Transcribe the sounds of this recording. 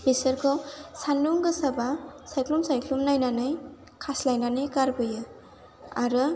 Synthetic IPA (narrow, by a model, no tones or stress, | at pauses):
bisɐɾkʰɔsanduŋɡɯsabasajklumsajkʰlumnajnanɯj | kʰaslajnanɯjkaɾbɯjɯ | a̰ɾɯ